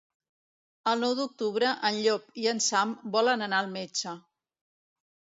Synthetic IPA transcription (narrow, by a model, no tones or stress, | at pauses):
əlˠnɔwd̪uk̚t̪uβɾəʔənʎɔpiənsambɔlənənaəlˠmet͡ʃə